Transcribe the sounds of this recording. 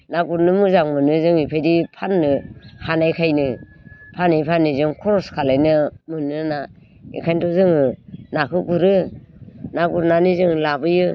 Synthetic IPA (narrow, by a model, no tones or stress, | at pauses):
naɡuɾnɯmɯzaŋmɯnɯzɯŋipʰajdipʰanːɯhanajkʰajnɯ | pʰanijpʰanːizɯŋkʰɔɾɔskʰalajnɯmɯnɯna | ḭkʰajntɔzɯŋɯnakʰɯɡuɾɯ | naɡuɾnanizɯŋlabɯjɯ